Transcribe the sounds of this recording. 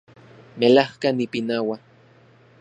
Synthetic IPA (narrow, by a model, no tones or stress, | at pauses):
melahkanipinawa